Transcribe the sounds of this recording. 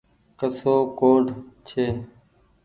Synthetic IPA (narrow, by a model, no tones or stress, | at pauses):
kəsoːkoːɖt͡ʃʰeː